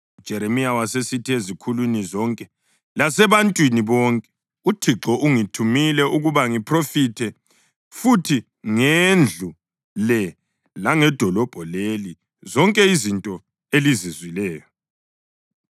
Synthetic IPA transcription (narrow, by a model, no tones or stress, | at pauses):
u̥ʒ̥ʱɛɾemijawasesitʰiezikʰulwinizɔŋkʼɛ | lasɛβantʼwiniβɔːŋkʼɛ̥ | utʰiǁɔʔuŋitʰumilɛuɣuβaŋipʰrofitʰɛ | futʰi | ŋend͡ɮʱu | lɛ | laŋɛd̥ʱɔlɔb̥ʱɔleli | zɔŋkʼɛizintʼɔ | elizizwilɛːjɔ